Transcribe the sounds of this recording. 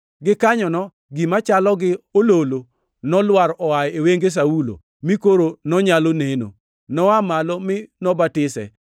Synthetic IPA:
ɡɪkaɲɔnɔ | ɡimat͡ʃalɔɡɪololo | nɔlwaɾɔwajeweŋɡes̬aulo̰ | mikoɾonɔɲaloneno̰ | nɔamalɔmɪnɔbatɪsɛ̰

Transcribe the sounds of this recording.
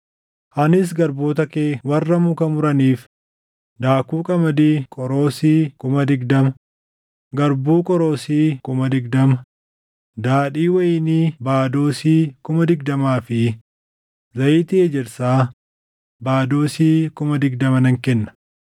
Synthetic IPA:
hɐnɪs̬ɡɐɾboːt̪ɐkeːwɐrːɐmʊkɐmʊɾɐniːf | d̪aːkuːkʼɐmɐd̪iːkʼɔɾo̞ːsiːkʊmɐd̪ɪɡd̪ɐmɐ | ɡɐɾbuːkʼɔɾo̞ːsiːkʊmɐd̪ɪɡd̪ɐmɐ | d̪aːᶑiːwɐjɪniːbaːd̪o̞ːsiːkʊmɐd̪ɪɡ̚d̪ɐmaːfɪ | zɐjɪːt̪ɪed͡ʒɛɾsaː | baːd̪o̞ːsiːkʊmɐd̪ɪɡd̪ɐmɐnɐŋkɛnːɐ̥

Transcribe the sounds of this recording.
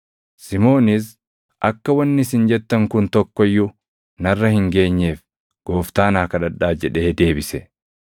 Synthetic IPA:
sɪmo̞ːnɪs | ʔɐkːɐwɐnːɪsɪnd͡ʒɛt̪ːɐŋkʊnt̪ɔkːɔjːʊ | nɐrːɐhɪŋɡe̞ːɲːe̞ːf | ɡ̥o̞ːft̪aːnaːkɐᶑɐᶑːaːd͡ʒɛᶑe̞ːd̪e̞ːbɪsɛ

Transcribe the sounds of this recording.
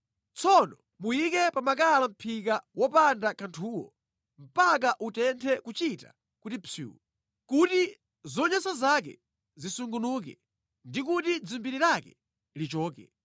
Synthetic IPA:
t͡sɔnɔ | mujikɛpamak̬alam̩pʰikawɔpandakʰantʰuːwɔ̰ | m̩pak̬aʔutɛntʰɛkut͡ʃita̰ | kutit͡sʰṵːwu | kuti | zɔɲasazak̬ɛ̰ | zisuŋɡunuːk̬ɛ̰ | ndikutid͡zumbiɾiɾakɛ | lit͡ʃɔːk̬ɛ̰

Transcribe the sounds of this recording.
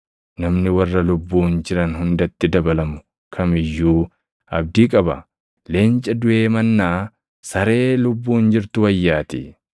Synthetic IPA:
nɐmnɪwɐrːɐlʊbːuːnd͡ʒɪɾɐnɦʊnd̪ɐt̪ːɪd̪ɐbɐlɐmʊ | kʰɐmɪjːuː | ɐb̚d̪iːkʼɐbɐ̰ | le̞ːnt͡ʃʼɐd̪ʊʔe̞ːmɐnːaː | sɐɾe̞ːlʊbːuːnd͡ʒɪɾt̪ʊwɐjːaːt̪ɪ̰

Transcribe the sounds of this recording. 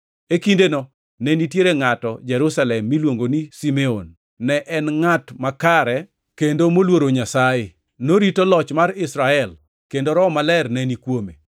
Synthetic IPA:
ekindenɔ | nɛnitjeɾeŋatɔd͡ʒɛɾusalɛmːilwoŋɡonisimeonː | ɛʔɛnŋatmakaɾɛ | kendomolwoɾoɲasae | noɾitolɔt͡ʃmaɾɪsɾaɛl | kendoɾɔmalɛrnɛnikwomḛ

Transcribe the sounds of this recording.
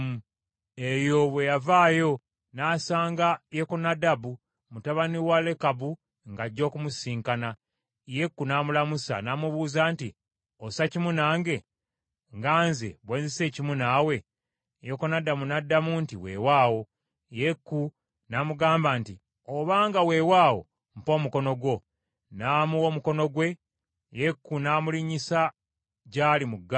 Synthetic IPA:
mu | ejo̞βwe̞javaːjo̞ | naːsaːŋɡajekonadabu | mutaβaniwale̞kabu | ŋɡaɟːo̞ːkumusiːŋkana | je̞kːunaːmulamusa̰namuβuːzaːnti | osacimunaːŋɡe̞ | ŋɡaːnzḛβweːnzise̞ːcimunaːwe̞ | jokonadːamunadːamuntiwe̞̰ːwaːwo̞ | jekːu | namuɡaːmbaːnti | oβaːŋɡawe̞waːwo̞̰ | m̩po̞ːmuko̞no̞ɡwo̞ | naːmuo̞ːmuko̞no̞ɡwe̞ | jekːunaːmuliɲisa | ɟaːlimuɡː

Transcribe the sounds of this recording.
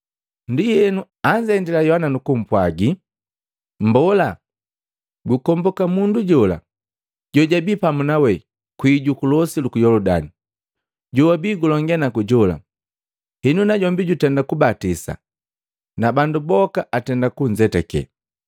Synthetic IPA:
ndijɛnu | aɲd͡ʒaɛndɛlajɔhananukum̩pwaɡi | m̩bɔla | ɡukɔmbɔkamunduɟɔla̰ | ɟɔɟabiːpamunawɛ | kwiɟukulɔsilukujɔlɔda̰ni | ɟuwabiːɡulɔŋɡanakuɟɔla̰ | hinunaɟɔmbiɟutɛndakubatisa̰ | nabandubɔkaatɛndakuɲd͡ʒɛtɛkɛ̰

